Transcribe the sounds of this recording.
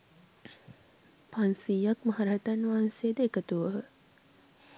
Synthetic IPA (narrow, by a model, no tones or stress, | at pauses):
pansijakmɐɦaɾɐɦɐt̪anːʋaɦansejːd̪ekət̪uʋəɦə